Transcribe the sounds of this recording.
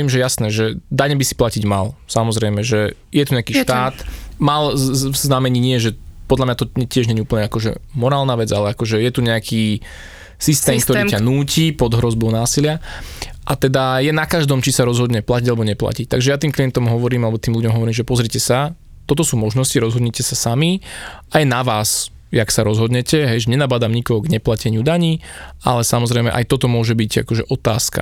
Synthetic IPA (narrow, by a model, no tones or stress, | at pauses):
iːmʒɛjasnɛːʒɛd̪aɲɛbisi̥placiɟma̰lsamɔzɾɛjmɛʒɛ | jɛt̪uɲɛakiːʃt̪aːt̪malvznamɛɲiːɲɪɛʒɛpɔd̪lamɲat̪ɔɛcɪɛʒɲɛɲiupəɲɛakɔʒɛ̰mɔɾaːlnaʋɛd͡zalɛakɔʒɛjɛt̪uɲɛakʰiː | sist̪ɛːmkt̪ɔɾiːanuːcipɔd̪ɦɾɔzbɔʊnaːsilɪaʔat̪ɛd̪ajɛnakaʒd̪ɔmt͡ʃisaɾɔzɦɔd̪ɲɛplaciɟalɛbɔɲɛpla̰cic̚t̪aɡʒɛjat̪iːmklijɛnt̪ɔmɦɔʋɔɾiːmalɛbɔt̪iːmluɟɔmɦɔʋɔɾiːmʒɛpɔzɾicɛsa | t̪ɔt̪ɔsuːmɔʒnɔsciɾɔzɦɔd̪ɲɛcɛsasamiʔajnaʋaːs | jaksaɾɔzɦɔd̪ɲɛcɛɦɛjʒɛɲɛnabad̪amɲikɔɦɔɡɲɛplacɛɲɪud̪aɲiːʔa̰lɛsamɔzɾɛɪmɛ̰ʔa̰jt̪ɔt̪ɔmʊɔʒɛbica̰kɔʒɛʔɔt̪aːska̰